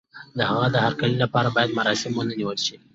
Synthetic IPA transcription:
d̪əhaɣad̪əhaɾkalilapɑɾabɑjad̪maɾɑsɪmwənəniwəlʃi

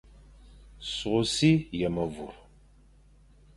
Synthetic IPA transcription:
sʁʷʊsiːjɛmɐvʊ̰r

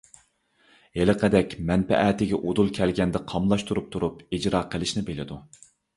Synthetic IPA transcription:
elɨqʰəd̪ɛkʲmɛnpɛ̰ʔɛt̪ɪɡʲɛʔod̪ulˠkʲʰɛlɡʲɛnd̪ɛqʰɑmlˠɑʃt̪ʰuɾup̚t̪ʰuɾupid͡ʒɾɑːqʰəlˠɪʃnɪbelɪd̪u

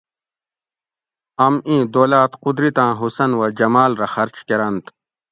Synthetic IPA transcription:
ɐmĩːd̪oːlaːt̪qud̪ɾit̪ãːɦusɐnwɐd͡ʑɐmaːlɾɐxɐɾt͡ɕkeɾɐnt̪

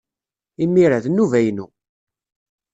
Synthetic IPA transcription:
imːiɾæðnːuvæjnṵ

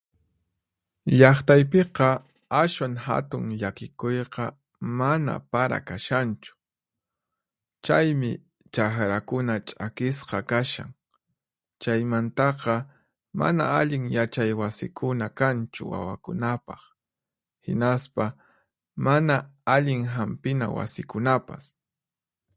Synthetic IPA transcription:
ʎɑχt̪ajp̬eqɑ | aʃwaŋha̰t̪ʊŋʎakɪkʊjqɑ | mana̰paɾa̰kaʃant͡ʃʊ̥ | t͡ʃajmɪ̰ | t͡ʃaxɾakʊnat͡ʃʼakɪsqɑkaʃa̰ŋ | t͡ʃajmant̪ɑqɑ | ma̰na̰aʎɪŋjat͡ʃajwasɪkʰʊnakant͡ʃʊ̰wa̰wa̰kʊnapɑχ | hɪ̰naspa | manaaʎɪŋɦampɪnawa̰sɪkʊnapas

